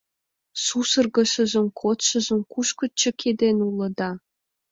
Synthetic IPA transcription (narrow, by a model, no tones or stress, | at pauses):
susɤ̆rɣə̆ʃə̆ʒə̆mkʰot̪ʃɤ̆ʒə̆mkuʃkə̆t͡ɕə̆kʰed̪enulɤ̆d̪ɑ